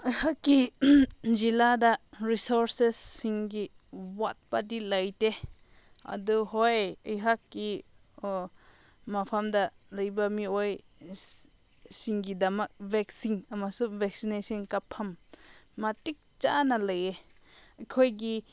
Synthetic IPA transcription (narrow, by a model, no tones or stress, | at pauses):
əjhakːi | d͡ʒiladaɾisoɾsesːiŋɡi | wat̚padilajte | ɐ̰duɦojəjɦakːi | mapʰamda | lɐjbamioj | siŋɡidɐmak̚vɛksiŋɐmasuvɛk̚sinesinkapʰːɐmː | atik̚t͡ʃanalɐjeɐkʰojɡi